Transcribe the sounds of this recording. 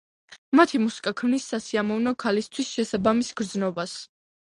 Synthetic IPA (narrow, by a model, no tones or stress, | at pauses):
mat̪ʰimusi̥kʼakʰmnisːasiamɔvnɔkʰalist̪ʰwisʃɛsabamisɡ̥ɾd̪znɔbas